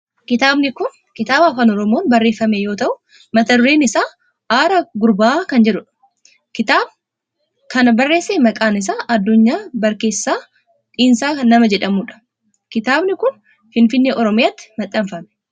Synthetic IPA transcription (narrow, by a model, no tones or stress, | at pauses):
kɪt̪aːbnɪkʊn | kɪt̪aːbaːfaːnɔɾɔmo̞ːnbɐrːe̞ːfːɐmejo̞ːt̪ɐʔʊ | mɐt̪ɐd̪ʊɾeːnɪsaː | ʔaːɾɐɡʊɾbaːkɐnd͡ʒɛᶑʊᶑɐ̥ | kɪt̪aːb̚ | kɐnɐbɐrːe̞ːsːeːmɐkʼaːnɪs̬aːʔɐd̪ːʊɲːaːbɐɾke̞ːsːaː | t̪ʼiːnsaːnɐmɐd͡ʒɛᶑɐmuːᶑɐ̥ | kɪt̪aːbnɪkʊn | fɪnfɪnːeːʔɔɾɔmɪjaːt̪ːɪ̥mɐt̪ʼːɐmfɐmɛ̥